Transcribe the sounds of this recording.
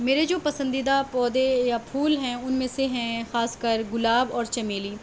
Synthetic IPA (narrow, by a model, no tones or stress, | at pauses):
meːɾed͡ʒoːpɐsə̃nd̪id̪apɔːd̪ejapʰuːlɦɛ̃ʊnmẽseɦɛ̃xaːskəɾɡʊlaːbɔːɾt͡ʃɐmeːliː